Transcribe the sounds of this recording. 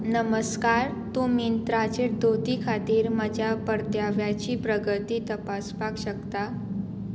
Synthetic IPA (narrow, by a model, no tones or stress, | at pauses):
nəməskaɾt̪umint̪ɾat͡ɕeɾd̪ot̪ikʰat̪iːɾmad͡ʑʱjapəɾt̪jaʋjat͡ɕiːpɾəɡət̪iːt̪əpaspakɕək̚t̪a